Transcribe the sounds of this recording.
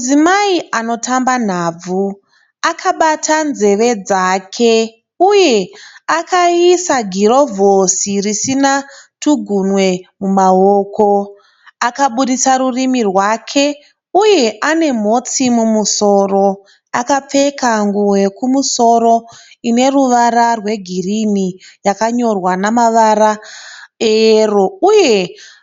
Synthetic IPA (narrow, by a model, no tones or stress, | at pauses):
zimaiano̞tamban̤ab͡vu | akʰaɓatʰanze̞ʋe̞d͡zakʰe | uje̞akaisaɡʱiɾo̞vʱosirisinatuɡʱunwe̞mumaoːko̞ | akaɓuɗisaɾurimirwakʰe̞ | uje̞ʔane̞mo̞t͡simumuso̞ːro̞ | akap͡fe̞kaŋɡuwe̞kumuso̞ɾo̞ine̞ruʋaɾarwe̞ɡʱirinijakaɲo̞rwanamaʋaɾa | ero̞uje̞